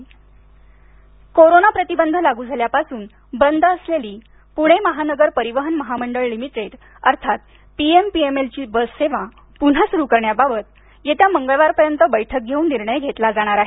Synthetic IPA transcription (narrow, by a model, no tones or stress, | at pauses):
koɾonapɾət̪ibənd̪ʱəlaɡuːd͡zʱaljapasuːn | bənd̪ʱəsleliː | puɽ̃eməɦanəɡəɾpəɾiʋəɦənməɦaməɳɖəɭlimiʈɾeʈ | əɾt̪ʰat̪ | piempiemelt͡ɕiːbəsseʋa | pun̤ɦasuɾukəɾɳjababət̪̚ | jet̪jaməŋɡəɭʋaɾpəɾjənt̪əbəjʈʰək̚ɡʱeuːnːiɾɳəjɡʱet̪lad͡zaɽ̃aɾaɦe